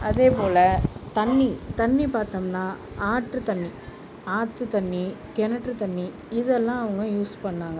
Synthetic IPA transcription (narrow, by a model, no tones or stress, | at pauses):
ɐðeːpoːlɐt̪ɐɳːit̪ɐɳːipaːɾt̪ɐːmnaː | aːʈːɯt̪ɐɳːi | aːt̪ːɯt̪ɐɳːi | kɛnɐʈːɯt̪ɐnːi | ɪðɛlːãːɐʋɐŋɡɐjuːspɐɳːaːŋɡɐ